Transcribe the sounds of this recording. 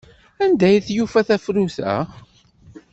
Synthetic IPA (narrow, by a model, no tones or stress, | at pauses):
ænd̪æjθjufæθæfɾuθæ̰